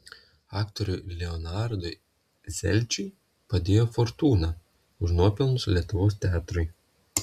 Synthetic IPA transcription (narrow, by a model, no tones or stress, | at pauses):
ɑːkt̪ɔɾʲʊˑɪlʲɛɔnɑɾd̪ʊɪ | zʲɛ̰lʲt͡ʃʲʊɪ | pɐd̪ʲeːjoːfɔɾt̪uːnɑ | ʊʒnuɔpʲɪlˠnʊslʲiɛt̪ʊʋoːst̪ʲɑːt̪ɾʊɪ